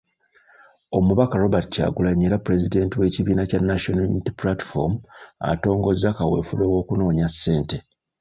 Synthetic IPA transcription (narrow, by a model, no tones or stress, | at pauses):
o̞muβakaɾo̞batca̰ːɡulaɲeɾapɾe̞zide̞ːntiwe̞ciβiːnacanːaʃonaunitiplati̥fo̰mua̰to̞ːŋɡo̞zːakawe̞̰ːfuɾowo̞ːkuno̞ːɲasːe̞ːnte̞